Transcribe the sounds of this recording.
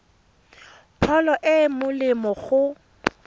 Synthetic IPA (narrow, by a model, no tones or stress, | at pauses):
pʰɔlɔʔɪmʊlɪmɔɣʊ